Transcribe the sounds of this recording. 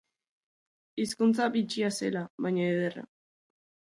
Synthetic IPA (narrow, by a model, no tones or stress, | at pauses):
iskunt͡sabit͡ʃiase̞laβajɲaeðera̰